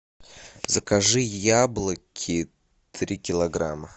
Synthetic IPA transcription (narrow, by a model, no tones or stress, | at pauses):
zəkaʐɨjablˠəkʲʰɪ | t̪ɾʲikʲɪlˠɐɡɾamə